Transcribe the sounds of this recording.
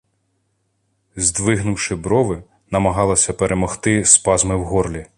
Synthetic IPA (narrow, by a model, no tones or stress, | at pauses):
zʲd̪ʋɪɦnʊwʃɪbɾɔʋɪ | nɐmɐɦɑlˠɐsʲɐpeɾʔemɔxt̪ɪspɑzmɪwɦɔrlʲi